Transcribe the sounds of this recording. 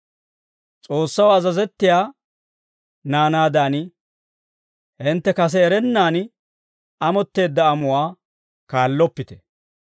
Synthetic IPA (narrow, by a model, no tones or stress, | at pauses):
t͡sʼo̞ːsːɐwɐzɐzɛt̪ːɪjaː | naːnaːd̪aːn | hɪnt̪ːɛkɐs̬ɛːɾɛnːaːn | ɐmɔt̪ːe̞ːd̪ːɐːmʊwaː | kaːlːɔpːɪt̪ɛ̥